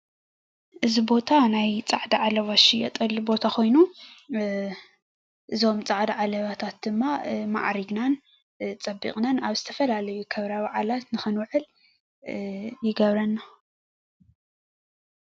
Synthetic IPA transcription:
ʔɨzibo̞t̪ʰanajt͡sʼaʕd̪iʕalɐβaʃijɛ̰t̪ʼɐlibo̞t̪ʰakʰo̞jnu | ʔɨzo̞mt͡sʼaʕd̪aʕalɐβat̪ʰat̪̚d̪ɨmːama̰ʔɾiɡnan | t͡sʼɐbːḭkʼnanaβzɨt̪ʰɐfɐlalɐjukʰɐβɾaβaʕalat̪nɨxɨnwɨʕɨl | jɪɡɐβɾɐnːa

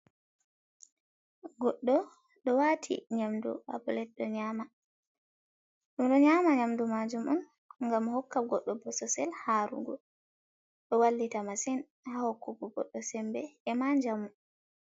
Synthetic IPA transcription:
ɡɔɗːɔ | ɗɔwatʰḭɲamdṵa̰bɔlɛɗɔɲama | ɗumɗɔɲamaɲamdumad͡ʒumɔn | ŋɡamhɔkːaɡɔɗːɔbɔsɔsɛlhaɾṵɡɔ | ɗɔwalːitamasɛn | hahɔkːukuɡɔ̰ɗːɔsɛmbɛːmaɲd͡ʒamu

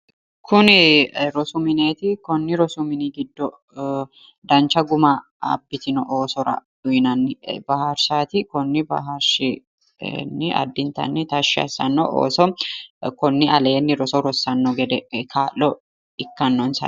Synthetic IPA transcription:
kʰʊnɪɾɔsʊmɪne̞ːt̪ɪkɔnːɪɾɔsʊmɪniɡɪd̪ːɔ | d̪ɐnt͡ʃɐɡʊmɐ | ɐ̰bːɪt̪ɪnɔʔoːsɔɾɐ̰d̥ʊɪnɐnːɪbɐɦɐɾsaːt̪ɪkɔnːɪbɐ̰ɦɐɾʃɪ | nːɪɐ̰d̪ːɪnt̪ɐ̰nːɪt̪ɐʃːɪɐ̰sːɐ̰nːɔ̰ʔo̰ːsɔkɔnːɪʔɐle̞ːnːɪɾɔsɔɾɔsːɐnːɔɡɛd̪ɛkʰaːlːɔ | ɪkːɐnːɔnsɐ̰

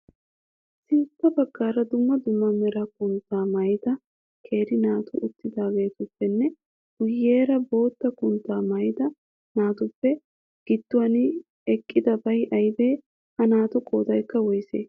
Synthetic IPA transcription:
sɪntːɐbɐɡːaːɾɐd̪ʊmːɐd̪ʊmːɐmɛɾɐkʊnt̪ːaːmɐjɪt̪ɐ | kʰe̞ːɾɪnaːt̪ʊʔʊt̪ːɪd̪aːɡe̞ːt̪ʊpːɛnːɛ | hʊjːeːɾɐbo̞ːt̪ːɐkʼʊnt̪ːaːmɐjt̪ɐ | naːt̪ʊpːɛ | ɡ̥ɪd̪ːʊwɐnɪ | ɛkʼːɪd̪ɐbɐjʔɐjbeː | hɐnaːt̪ʊkʼoːt̪ɐjkːɐwɔjsḛː

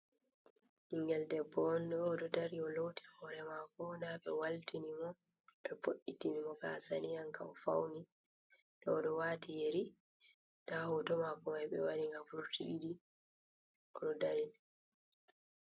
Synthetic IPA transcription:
hiŋɡɛldɛbɔndɔːɗɔdaɾiɔlotʰi̥hɔɾɛmakɔdaɓɛwaltinimɔ | ɓɛboʔitinimɔka̰sanijankawfa̰wni | ɗɔːɗɔwatijeɾi | d̥ahɔtɔmakɔmajɓɛ̰waɾiŋɡafuɾtiɗidi | ɔɗɔdaɾin

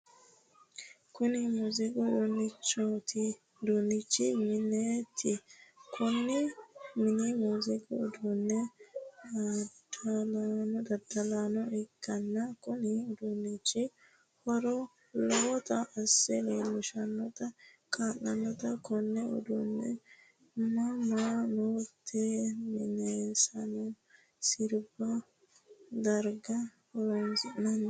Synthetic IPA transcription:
kʊnɪmuzɪɡʊdʊnːɪt͡ʃːot̪ʰɪ | d̪unːɪt͡ʃːɪmɪnet̪ʰːɪkʰʊnːɪmɪnɪmuzɪɡʼʊʊd̪unːɛ | d̪ɐlanɔd̪ɐd̪ɐlaːnɔɪkːɐnːɐkʊnɪʊd̪unːɪt͡ʃːɪ | hɔɾɔ | lɔt̪ɐʔɐsːɛleːlːʊʃɐnːɔt̪ɐkʼaːlːɐnːɔt̪ɐkɔnːɛʊ̰d̪ʊnːɛ | mɐmanot̪ʰːemɪneːsɐnɔ | sɪɾbɐ | d̪ɐɾɡɐ | hɔɾɔnzɪnɐnː

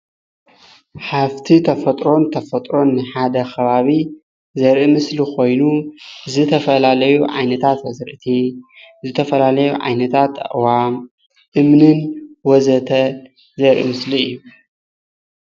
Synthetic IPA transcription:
ħaβt̪ʰit̪ʰɐfɐt̪ʼɾo̞nt̪ʰɐfɐt̪ʼɾo̞nːɨħad̪ɐkʰɐβaβi | zɐɾʔimɨslikʰo̞jnuzɨt̪ʰɐfɐlalɐjuʕa̰jnɐt̪ʰat̪ɐzɨɾʔɨt̪ʰizɨt̪ʰɐfɐlalɐjuʕa̰jnɐt̪ʰat̪ːɐ̰ʔʼwam | ʔɨmnɨnwɔzɐt̪ʰɐ | zɐɾʔḭmɨsliɨjːu

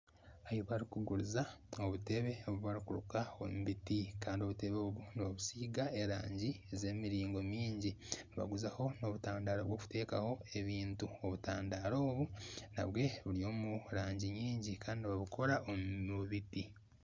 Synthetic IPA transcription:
ajoβaɾikuɡuɾuzao̞βute̞βe̞oβuβaɾikuɾṵkao̰muβitikaːndio̞βute̞βoβuniβaβusiːɡae̞ɾa̰ːɲɟieze̞ːmiɾiːŋɡo̞miːɲɟiniβa̰ɡuzaho̞no̞βutaːndaːɾoβwo̞ːku̥te̞ːkaho̞e̞βiːntuo̞βutaːndaɾo̞ːβuna̰βwe̞βuɾio̞ːmuɾaːɲɟiɲiːɲɟikaːndiniβaβukʰo̞ɾaʔomuβiti

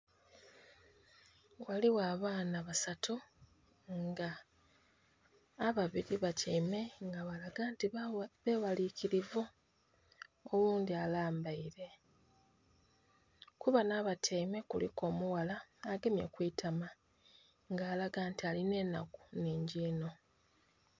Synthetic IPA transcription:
waliwaːβaːnaβasatu | ŋɡa | βaβiɾiβacʰeime̞ŋɡaβaaɡaːntiβe̞ːwaliciɾivu | owuːndialaːmbaiɾe̞ | kuβanaβatʰejme̞kṵlḭko̞ːmuwalaːɡe̞mjḛkwiːtʰama | ŋɡaːlaɡaːntialine̞nːa̰ku̥neːɲɟiːno̞

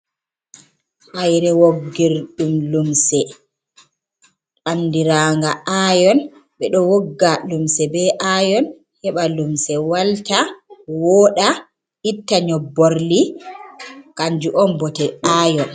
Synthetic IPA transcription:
ʔajɾɛwoɡːiɾɗumlumsɛ | ʔanːdiɾaːŋɡaʔaːjɔn | ɓɛɗɔwɔɡːalumsɛbɛʔajɔn | hɛɓalumsɛwaltawɔːɗa | itːaɲɔboɾli | kaɲd͡ʒuʔɔnbɔtɛaːjɔn

